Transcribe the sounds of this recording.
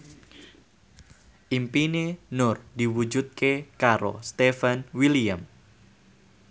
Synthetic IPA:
ʔimpinenʊrd̪̥iwu̥d͡ʒut̪̚kʰekaɾo̰st̪efanwiliam

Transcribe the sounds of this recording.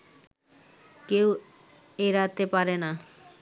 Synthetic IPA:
kew | eɾat̪epaɾena

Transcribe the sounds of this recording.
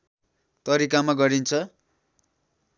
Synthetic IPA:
t̪ʌɾik̬amaɡʌɾint͡sʰʌ

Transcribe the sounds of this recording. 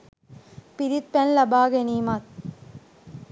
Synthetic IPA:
piɾit̪̚pɛnlɐbaːɡɐniːmaːt̪̚

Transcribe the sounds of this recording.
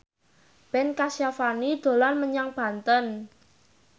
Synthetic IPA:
b̥ɛnkasjafanid̪̥o̤lanməɲaŋb̥a̤nt̪ən

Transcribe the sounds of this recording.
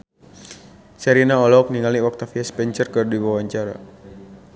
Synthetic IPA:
sɛɾinaɔlɔɔk̚niŋaliwak̚t̪afiaspɛɲt͡ʃərkɨrdiwawaɲt͡ʃaɾa̰

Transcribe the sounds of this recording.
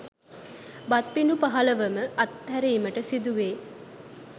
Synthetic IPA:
bɐt̪̚pinupaɦɐləʋəməʔɐt̪ːæɾeːməʈəsid̪uʋeː

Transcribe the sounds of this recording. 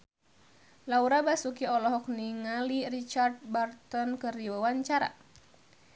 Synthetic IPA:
lauɾabasukiɔlɔɦɔk̚niŋalirit͡ʃard̪̚bart̪ɔnkɨrdiwawaɲt͡ʃaɾa̰

